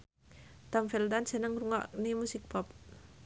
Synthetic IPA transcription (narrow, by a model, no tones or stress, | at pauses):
t̪ɔmfɛld̪ansənəŋruŋa̰ʔnemusik̚pɔp̚